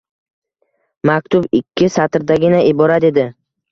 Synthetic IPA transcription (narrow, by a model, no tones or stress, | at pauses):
mak̚ʲt̪ʰʊbɪkʲʰːɪsat̪ɾd̪aɡʲɪnaʔɪbɒɾat̪ed̪ɪ